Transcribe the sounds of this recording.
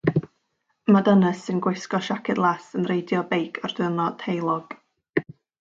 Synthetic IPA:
madənəsɨnɡwejskɔʃakʰɨdlˠasənrejdjɔbejkʰɔrdɪnɔtʰejlˠɔɡ̥

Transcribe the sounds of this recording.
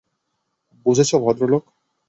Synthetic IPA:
bud͡ʑʱet͡ɕʰobʱɔd̪ɾolok

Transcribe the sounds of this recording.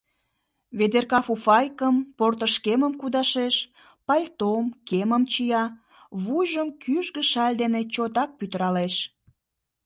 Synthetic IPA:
βed̪erkɑfufɑjkəmport̪əʃkeməmkud̪ɑʃeʃ | pɑlʲt̪omkeməmt͡ɕijɑ | βujʒəmkyʒɣəʃɑlʲd̪enet͡ɕot̪ɑk̚pyt̪əɾɑleʃ

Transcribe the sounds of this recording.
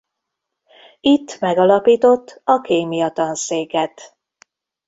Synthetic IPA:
it̪ːmɛɡɒlɒpiːt̪o̞t̪ːɒkeːmijɒt̪ɒnseːkɛt̪

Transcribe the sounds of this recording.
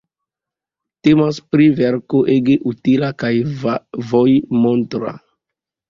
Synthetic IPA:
temaspɾiveɾkoʔeɡeʔutilakajvojmontɾa̰

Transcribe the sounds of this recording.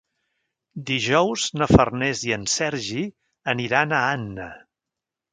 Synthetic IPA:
d̪iʒɔwznəfərnɛziənsɛɾʒi | əniɾanəanːə̰

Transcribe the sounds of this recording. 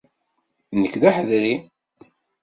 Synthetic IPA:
nəkːðaħəðɾi

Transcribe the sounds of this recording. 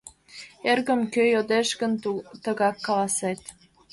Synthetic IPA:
erɣə̆mkøjod̪eʃɡə̆nt̪ə̆ɣɑkːɑlɑset̪

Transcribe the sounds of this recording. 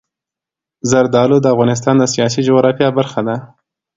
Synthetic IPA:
zaɾd̪ɑlod̪əafɣɑnɪs̬t̪ɑnd̪əsijɑs̬id͡ʒoɣɾɑfjɑbaɾxad̪a

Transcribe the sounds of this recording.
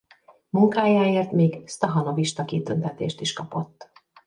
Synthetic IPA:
muŋkaːjaːeːrt̪miːɡst̪ɒɦɒno̞viʃt̪ɒkit̪ønt̪ɛt̪ḛːʃt̪iʃkɒpo̞t̪ː

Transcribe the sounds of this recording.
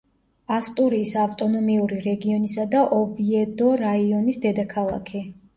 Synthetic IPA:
ast̪ʼuɾiːsavt̪ʼɔnɔmiuɾiɾɛɡiɔnisad̪aʔɔviɛd̪ɔɾaiɔnisd̪ɛd̪akʰalˠa̰kʰi

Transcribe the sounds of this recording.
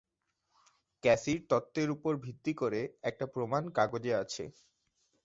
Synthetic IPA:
kɛsiɾt̪ɔt̪ːeɾupoɾbʱit̪ːikoɾeɛk̚ʈapɾomankaɡod͡ʑeat͡ɕʰḛ

